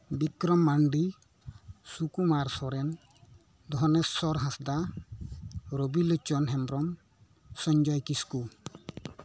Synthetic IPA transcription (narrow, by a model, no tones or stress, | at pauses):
bikɾɔmːaɳɖi | sukumaɾsɔɾɛn | d̪ɔɦɔnɛɔɾɦãsd̪a | ɾobilɔt͡ʃɔnɦɛmɾɔm | sɔɲd͡ʒɔjkisku